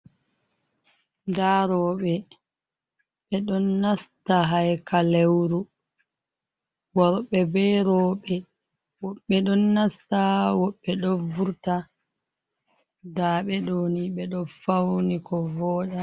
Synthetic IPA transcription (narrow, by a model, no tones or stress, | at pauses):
daːɾɔːɓɛ | ɓɛɗɔnːastaɦajkalewɾu | wɔɾɓɛbɛɾɔːɓɛ | wɔɓːɛɗɔnːastawɔɓːɛɗɔvuɾta | daːɓɛɗoːniɓɛɗɔfawnikɔvɔːɗa